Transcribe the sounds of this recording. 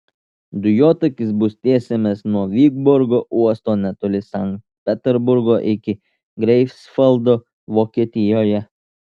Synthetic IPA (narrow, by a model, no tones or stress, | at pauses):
d̪ʊjoːt̪ɐkʲɪsbʊst̪ʲeːsʲemʲɛsnuɔʋʲiːɡbʊɾɡoːʔuɔst̪oːnʲɛt̪olʲɪsɑŋkt̪pʲɛt̪ʲɛɾbʊɾɡoːʔɪkʲɪ | ɡɾʲɛɪfsfɐlˠd̪oː | ʋoːkʲiɛt̪ʲɪjoːjɛ